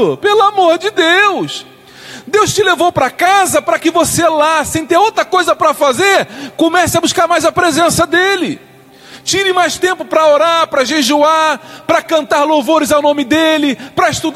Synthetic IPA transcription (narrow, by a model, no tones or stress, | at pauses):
ʊpelʊamoɾd͡ʒɪd̪ews | d̪ewst͡ʃɪlevowpɾɐkazɐpɾɐkɪvoselasẽj̃t̪eɾowt̪ɾɐkojzɐpɾɐfazeɾkõmɛsɪɐbuskaɾmajzɐpɾezẽsɐd̪elɪ | t͡ʃĩɾĩmajʃt̪ẽmpʊpɾɐoɾaɾpɾɐʒeʒuapɾɐkɐ̃nt̪aɾlowvoɾɪzawnõmɪd̪elɪpɾɐɪʃt̪ud̪